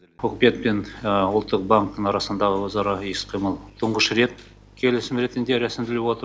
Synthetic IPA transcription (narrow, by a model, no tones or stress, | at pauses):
wɵkʲɪpe̞t̪̚penwʊlˠt̪ːəq̚baŋk̚t̪əɴɑɾɑsənd̪ɑʁəwəzɑɾɑesqʰijməlˠt̪ʰʊɴʁəʃɾe̞t̪̚ | kʲʰe̞lɪsɪmɾe̞t̪ɪnd̪e̞ɾæsɪmd̪ɪlepwo̞t̪əɾ